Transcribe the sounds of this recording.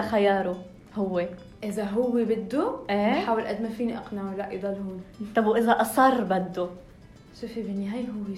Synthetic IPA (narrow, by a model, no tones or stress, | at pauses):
xajɑːɾˤu | hʊwːe | ʔɪzaɦʊwːebɪd̪ːuʔeːħaːwɪlʔad̪mafiːniʔɑqnalaʔid̪ˤɑlhuːnt̪ˤɑbwʔɪzaʔɑsˤɑrˤːbad̪ːu | sufibɪnːiɦajɦʊwːe